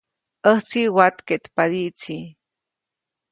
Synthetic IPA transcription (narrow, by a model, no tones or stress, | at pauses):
ʔəht͡siwat̪ket̪pad̪iʔt͡si